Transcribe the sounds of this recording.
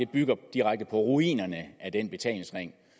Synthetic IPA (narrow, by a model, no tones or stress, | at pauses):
de̝b̥yɡ̥ɐd̥iʁaɡ̥̚d̥əpʰɒ̽ʁuḭːnɐnəʔæd̥enb̥e̝t͡sʰɛ̰ːl̩sʁeŋ̰